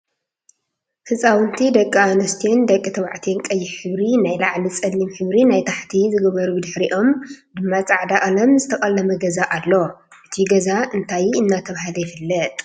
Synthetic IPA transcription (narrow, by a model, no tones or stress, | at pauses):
hɨsʼawɨnt̪ʰid̪ɐkʼːaanɐst̪ʰend̪ɐkʼːit̪ʰɐβaʕt̪ʰenkʼɐjːɪħɨβɾinajlaʕlit͡sʼɐlːimħɨβɾinajt̪ʰaħt̪ʰizɨɡɐβɐɾubɨd̪ɨħɾiʔo̞md̪ɨmːat͡sʼaʕd̪aʔʼɐlɐmzɨt̪ʰɐkʼɐlːɐmɐɡɐzaʔalːoʔɨt̪ʰiɡɐzaʔɨnt̪ʰajɨnːat̪ʰɐβahɨlɐjɪfɨlːɐt̪ʼ